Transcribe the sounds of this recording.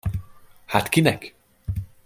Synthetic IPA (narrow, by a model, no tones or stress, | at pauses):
hat̪kinɛk